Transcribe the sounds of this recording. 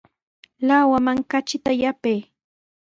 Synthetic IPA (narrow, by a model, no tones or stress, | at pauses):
lawamaŋkat͡ʃɪt̪ajapej